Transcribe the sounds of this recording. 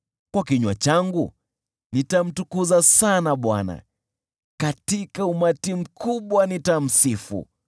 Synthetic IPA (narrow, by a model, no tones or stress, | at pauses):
kwakiɲwat͡ʃaŋɡu | nitam̩tukuzasanaɓwana̰ | katikaumatim̩kʰuɓwanitam̩sifṵ